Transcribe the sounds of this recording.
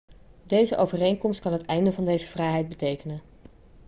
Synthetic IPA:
dejzəʔowvərejnkɔmst̚kɑnɦətɛjndəvɑndejzəv̥rɛjɦɛjd̚bətejkənən

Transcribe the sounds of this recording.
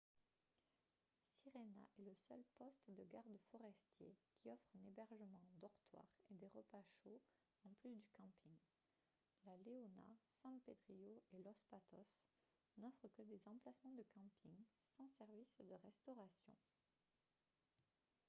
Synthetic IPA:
siʁena̰ʔɛləsœlpɔst̪d̪əɡaʁd̪fɔʁɛst̪jḛkʲʰiɔfχɛ̃nebɛʁʒəmɑ̃d̪ɔʁt̪wa̰ʁed̪eʁəpaʃo | ɑ̃plysd̪ykɑ̃piŋ | laleɔna̰sɛ̃ped̪ʁijoelɔspat̪ɔs | nɔfχəkəd̪ezɑ̃plasmɑ̃d̪əkɑ̃piŋsɑ̃sɛʁvisd̪əʁɛst̪ɔʁasjɔ̰̃

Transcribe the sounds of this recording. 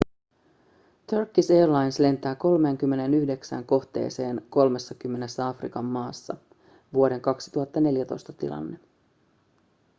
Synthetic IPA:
t̪ørkːiseːrlɑjnsle̞nt̪æːko̞lme̞ːŋk̟ymːe̞ne̞nyçde̞ksæ̰ŋko̞ht̪e̞̰ːse̞ːnko̞lme̞sːɑkymːe̞ne̞sːæɑfrikɑmːɑːsːɑ̰ | ʋuo̞de̞ŋkɑksi̥t̪uɦɑt̪ːɑne̞ljæt̪ojst̪ɑ̥t̪ḭlɑ̰nːe

